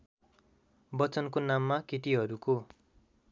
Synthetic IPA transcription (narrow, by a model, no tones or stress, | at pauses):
bʌt͡sʌnkonamːaket̪iɦʌɾuko